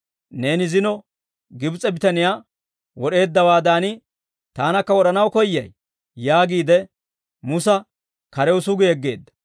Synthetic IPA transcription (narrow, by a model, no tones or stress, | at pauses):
ne̞ːnɪzɪnɔ | ɡɪbt͡sʼɛbɪt̪ɐnɪjaː | wɔɗe̞ːd̪ːɐwaːd̪aːnɪ | t̪aːnɐkːɐwɔɗɐnɐwkɔjːɐj | jaːɡiːd̪ɛ | mʊsɐ | kɐɾɛwʊsʊɡɛɛɡːe̞̰ːd̪ːɐ̥